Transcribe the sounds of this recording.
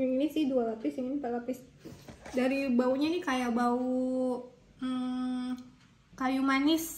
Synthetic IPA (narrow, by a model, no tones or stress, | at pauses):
iŋinisɪhdualapɪsiŋɪnipalapɪs | daɾibauɲanikajabau | kajumanɪs